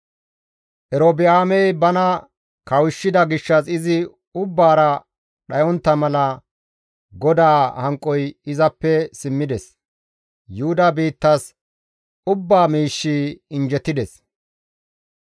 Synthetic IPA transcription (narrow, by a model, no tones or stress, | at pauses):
ʔɛɾoːbɪjaːmɛjbɐnɐ | kɐwɪʃːɪd̪ɐɡɪʃːɐsɪzɪ | ʊbːaːɾɐ | ɗɐjɔnt̪ːɐmɐlɐ | ɡɔd̪aːhɐŋkʼːɔjɪzɐpːɛsɪmːɪd̪ɛs | jʊhʊd̪ɐbiːt̪ːɐs | ʊbːaːmiːʃːiɪnd͡ʒɛt̪ːɪd̪ɛs